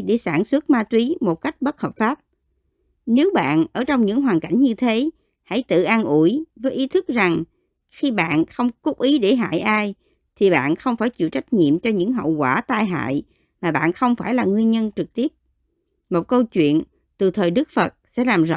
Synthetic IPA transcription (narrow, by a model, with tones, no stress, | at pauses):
ɗe˧˩saː˧˩nswə˦˥t̚maː˧t̪wi˨˦mo˨˩t̚ka˦˥jk̟̚ɓə˦˥t̚həː˨˩p̚faː˦˥p̚ | ne˨˦wɓa̰ː˧˨nʔəː˧˩t͡ɕɔ˧wŋ͡mɲɨ̰˧˥ŋɦwaː˨˩nka̰˧˩jŋ̟ɲɨ˧t̪ʰe˨˦ | ha̰˧˥jt̪ɨ̰˧˨ʔaː˧nʔu˧˩əjvəː˨˦jʔi˨˦t̪ʰɨ˦˥k̚za˨˩ŋ | xi˧ɓa̰ː˧˨nxə˧wŋ͡mkʊ˦˥p̚ʔi˨˦ɗe˧˩ɦa̰ː˧˨jʔaː˧j | t̪ʰi˨˩ɓa̰ː˧˨nxə˧wŋ͡mfaː˧˩jt͡ɕḭ˧˨wt͡ɕa˦˥jk̟̚ɲḭ˧˨əmt͡ɕɔ˧ɲɨ̰˧˥ŋɦə̰˧˨wkwaː˧˩t̪aː˧jɦa̰ː˧˨j | maː˨˩ɓa̰ː˧˨nxə˧wŋ͡mfaː˧˩jlaː˨˩ŋwi˧ənɲə˧nt͡ɕɨ˨˩k̚t̪i˦˥əp̚ | mo˨˩t̚kə˧wt͡ɕwḭ˧˨ən | t̪ɨ˨˩t̪ʰəː˨˩jɗɨ˦˥k̚fə˨˩t̚sɛ̰˧˥laː˨˩mzə̰˧˨